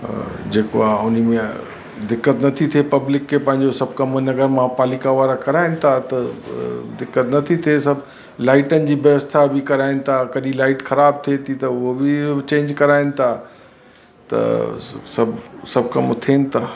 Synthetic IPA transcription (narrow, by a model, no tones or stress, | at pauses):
d͡ʑeːkoaːʊnmẽ | d̪ɪkːət̪nɐt̪ʰit̪ʰiepɐblɪkʰːepɐ̃ɦɪ̃ɲd͡ʑosɐb̚ʱkɐmnɐɡəɾmãpaːlikaʋaːɾakɐɾaːɪnɪ̆t̪ʰat̪ɐ | d̪ɪkːət̪nɐt̪ʰit̪ʰiesɐb | laːɪʈənɪ̆d͡ʑiːʋjɐʋəst̪ʰabɪkɐɾaːɪnɪ̆t̪ʰaːkɐɗĩlaːɪʈxɐɾaːb̚t̪ʰet̪ʰit̪ɐʊɦobɪt͡ɕẽːɲd͡ʑkɐɾaːɪnɪ̆t̪ʰaː | t̪ɐ̰sɐbsɐb̚kɐmt̪ʰeːnɪ̆t̪ʰaː